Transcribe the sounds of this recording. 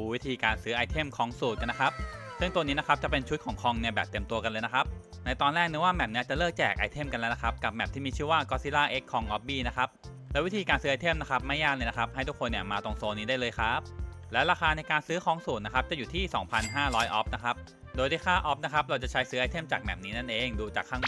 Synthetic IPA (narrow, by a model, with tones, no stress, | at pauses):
u˧wi˦˥t̪ʰiː˧kaː˧nsɯː˦˥ʔa˧jt̪ʰe˥˩mkʰɔː˧ŋsuː˨˩ka˧nːa˦˥kʰa˦˥p̚ | sɯ˥˩ŋt̪u˧əniː˦˥na˦˥kʰa˦˥p̚t͡ɕa˨˩pe˧nt͡ɕʰu˦˥t̪̚kʰɔː˩˦ŋkʰɔ˧ŋni˥˩ɐbɛː˨˩p̚t̪e˧əmt̪u˧ɐka˧nlɤː˧jna˦˥kʰa˦˥p̚ | na˧jt̪ɔː˧nlɛː˥˩k̚ni˦˥waː˥˩mɛ˨˩p̚ni˦˥ɐ˩t͡ɕa˨˩lɤː˥˩k̚t͡ɕɛ̰ː˨˩k̚ʔa˧jt̪ʰe˥˩mka˧lɛ˦˥wna˦˥kʰa˦˥p̚ka˨˩p̚mɛ˨˩t̪ʰiː˥˩miː˧t͡ɕʰɯ˥˩waː˥˩kɔː˦˥siː˦˥laː˥˩ʔe˦˥kʰːɔ˧ŋʔɔ˦˥p̚biː˥˩na˦˥kʰa˦˥p̚ | lɛ˦˥wi˦˥t̪ʰiː˧kaː˧nsɯː˦˥a˧jt̪ʰe˥˩mna˦˥kʰa˦˥p̚ma˥˩jːaː˥˩lɤː˧na˦˥kʰa˦˥p̚ha˥˩jt̪ʰu˦˥kʰːo˧nːi˧˩ɐmaː˧t̪o˧ŋsoː˧niː˦˥daː˥˩jlɤː˧jxʰa˦˥p̚lɛː˦˥wɾaː˧xʰaː˧na˧jkaː˧nsɯː˦˥xʰɔː˧ŋsuː˨˩t̪̚na˦˥kʰa˦˥p̚t͡ɕa˨˩juː˨˩t̪ʰiː˥˩sɔ̰ː˩˦ŋpʰa˧nɦaː˥˩ɾɔː˦˥jʔɔ˦˥p̚na˦˥kʰa˦˥p̚ | doː˧jda˧˥˩kʰaː˥˩ʔɔ˦˥p̚na˦˥kʰa˦˥p̚ɾa˧wt͡ɕa˨˩t͡ɕʰa˦˥jsɯː˦˥ʔa˧jt̪ʰe˥˩mt͡ɕaː˨˩k̚mɛ̰˨˩p̚niː˦˥na˥˩nʔeː˧ŋduː˧t͡ɕa̰ː˨˩kʰːaː˥˩